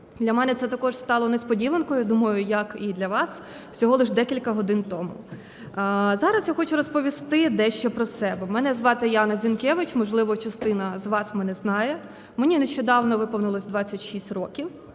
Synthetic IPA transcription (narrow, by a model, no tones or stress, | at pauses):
d̪lʲɐmɛnɛt̪sɛt̪ɐkɔʃst̪ɑlˠɔnespɔdʲiʋɐnkɔjʊd̪umɐjʊjɐkid̪lʲɐʋɑs | wsʲɔɦɔlˠɪʒd̪ɛkʲilʲkɐɦɔd̪ɪnt̪ɔmʊ̰ | zɑɾɐsjaxɔt͡ʃʊɾɔspɔʋʲist̪ɪd̪ɛʃt͡ʃɛpɾɔsɛbɛmɛnɛzʋɑt̪ɪjɑnɐzʲinkʲɛʋɪt͡ʃmɔʒlˠɪʋɔt͡ʃɐst̪ɪnɐzʋɑsmɛnɛznɑjɛ | menʲineʃt͡ʃɔd̪ɑwnɔʋɪpɔwnɪlˠɐsʲd̪ʋɑt͡sʲːɐtʲʃisʲtʲrɔkʲiw